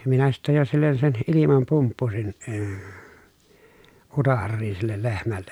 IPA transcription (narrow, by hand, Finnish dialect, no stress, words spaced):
minæ sitːej jo silːen sen ʔilimɑm pumpːusin əː utɑrːiːn̞ silːel lehmælːej